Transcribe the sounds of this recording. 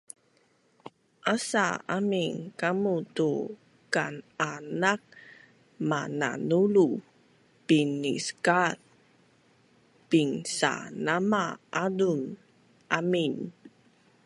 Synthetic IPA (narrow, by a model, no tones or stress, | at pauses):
ʔasa̰amiŋkamutu | kananak̚ | mana̰nulu | pinḭskat | piŋsa̰namaʔadun | ʔamin